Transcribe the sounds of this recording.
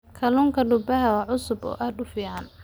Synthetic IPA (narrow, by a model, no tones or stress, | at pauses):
kʰɐluːŋkʰɐɖʊbɐɦɐwɑʕʊsʊbɔ̰ːʔaːd̪ʊfiːʕɑn